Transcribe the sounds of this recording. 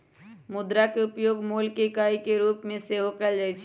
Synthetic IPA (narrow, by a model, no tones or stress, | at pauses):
mud̪ɾakeupjoɡmolkekaikeɾupmẽseɦokɛld͡ʒajt͡ʃʰ